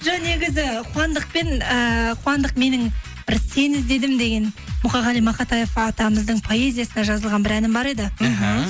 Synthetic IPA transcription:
ʒone̞ɡʲɪzɪqʰuɑnd̪əq̚pe̞nəqʰuwɑnd̪əq̚me̞nɪŋ | b̥ɪɾsʰe̞nɪzd̪e̞d̪ɪmd̪e̞ɡʲe̞n | mʊqɑʁɑlijmɑqɑt̪ɑjefɑt̪ɑməzd̪əɴpʰo̞e̞zʲijasənɑʒɑzəlˠʁɑnbɪɾænɪmbɑɾe̞d̪ɪɦ

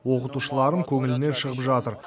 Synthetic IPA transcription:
wo̞qət̪uʃəlˠɑɾəŋkʲʰɵŋɪlɪne̞nʃəʁəpʒɑt̪əɾ

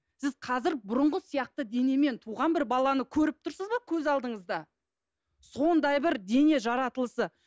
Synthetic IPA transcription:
sɪz̥qʰɑzɪɾbʊɾʊɴʁəsijɑq̚t̪əd̪e̞ne̞me̞nt̪ʰuʁɑnbɪɾbɑlˠɑnəkʲʰɵɾɪp̚t̪ʰʊɾsəzbɑkʲʰɵzɑlˠd̪əɴəzd̪ɑ | so̞nd̪ɑjbɪɾd̪e̞ne̞ʒɑɾɑt̪əlˠəsə

